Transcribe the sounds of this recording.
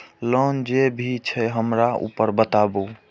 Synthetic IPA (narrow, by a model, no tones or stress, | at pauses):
lənd͡ʒebʱit͡ʃʰəɦəmɾaṵpəɾbət̪abu